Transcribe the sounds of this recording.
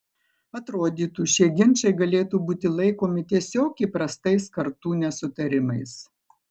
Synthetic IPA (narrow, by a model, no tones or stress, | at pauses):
ɐt̪ɾoːd̪ʲiːt̪uːʃʲiɛɡʲɪnʲˑt͡ʃɐɪɡɐlʲeːt̪uːbuːt̪ʲɪlˠɐɪkoːmʲɪt̪ʲiɛsʲoːkʲipɾɐst̪ɐɪskɐɾt̪uːnʲɛsʊt̪ɐɾʲɪmɐɪs